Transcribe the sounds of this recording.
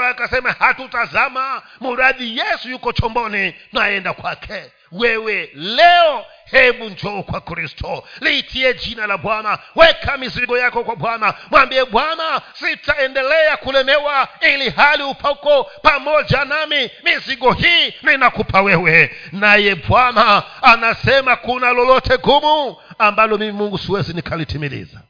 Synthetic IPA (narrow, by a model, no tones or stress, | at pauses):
akasɛmahatutazama | muɾaðijɛsujukɔt͡ʃɔmbɔninaɛndakwakʰɛ | wɛwɛlɛɔ | hɛɓund͡ʒɔukwakɾistʰɔliːtʰiɛd͡ʒinalabwanawɛkʰamiziɡɔjakɔkwabwanamwambiɛɓwanasitaɛndɛlɛjakulɛmɛwailiɦaliupʰaukɔpamɔd͡ʒanamimiziɡɔɦininakupʰawɛwɛnajɛbwanaːnasɛmakunalɔlɔtʰɛɡumuambalɔmimimuŋɡusiwɛzinikʰalitʰimilḭːza